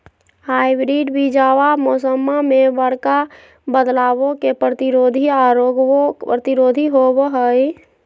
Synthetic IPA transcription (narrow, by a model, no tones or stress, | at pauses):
haːibɾiɖbʱid͡ʒawamosəmːamebəɽka | bəd̪laːwokepɾət̪iɾoːd̪ʱiaɾoɡoɾət̪iɾoːd̪ʱiɦobɦəj